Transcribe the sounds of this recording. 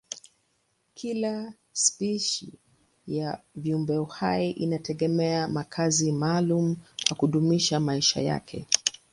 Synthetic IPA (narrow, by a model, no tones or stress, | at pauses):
kʰila | spiʃḭ | javiumbɛɔhajiʔinatɛɠɛmɛamakʰazimalumukwakuɗumiʃamaiʃa̰ja̰kʰɛ̰